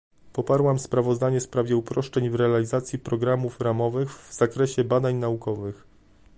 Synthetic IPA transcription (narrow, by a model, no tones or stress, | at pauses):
pɔpaɾwamspɾavɔzd̪aɲɛfspɾavʲjɛupɾɔʂt͡ʂɛɲvɾɛalʲizat̪sʲjipɾɔɡɾamufɾamɔvɘɣvz̥akɾɛɕɛbad̪aɲnaukɔvɘx